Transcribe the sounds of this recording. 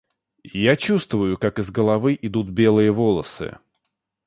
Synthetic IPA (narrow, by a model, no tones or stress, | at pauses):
jat͡ɕust̪vʊjʊkakɨzɡəlˠɐvɨʔɪd̪ut̪̚bʲe̞lˠɨjəvolˠəsɨ̰